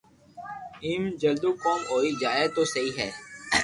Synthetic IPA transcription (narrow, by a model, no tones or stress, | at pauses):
iːmd͡ʒəld̪uːkoːmoːiːd͡ʒaːet̪oːsəɦiːɦɛː